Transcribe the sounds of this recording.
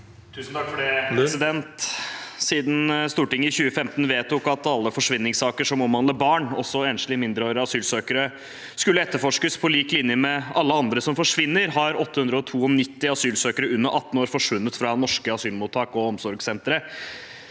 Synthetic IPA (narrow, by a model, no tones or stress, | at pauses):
t̪ʰʉːsn̩t̪ʰɑkfɔɖɛsɪd̪ɛnt̪siːd̪n̩st̪uːʈɪŋːəɪçʉːəfɛmt̪n̩ʋeːt̪ʰʊkɑt̪ɑlːəfɔʂʋɪnːɪŋsɑːkəʂɔmɔmʋɑnləbɑːɳɔ̰sːɔeːnʂlɪmɪnd̪ɾəoːɾəɑsyːlsøːkəɾə | skʉlːəɛt̪ːəɾfɔʂkəspʰɔliːklɪnjəmɛɑlːəɑnd̪ɾəsɔmfɔʂʋɪnːəɾɦɑɾɔt̪ːəhʉnd̪ɾəɔt̪ʰuːɔnɪt̪ːɪɑsyːlsøːkəɾəʉnːəʔɑt̪ːən̩oːɾfɔʂʋʉnːət̪fɾɑnɔʂkəɑsyːlmuːt̪ʰːɑːkɔɔmsɔɾɡsɛnt̪əɾə